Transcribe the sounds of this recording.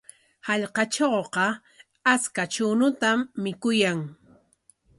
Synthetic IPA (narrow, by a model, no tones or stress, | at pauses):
hɑʎqɑt͡ʃowqɑ | askat͡ʃʊnʊt̪amːɪkʊjaŋ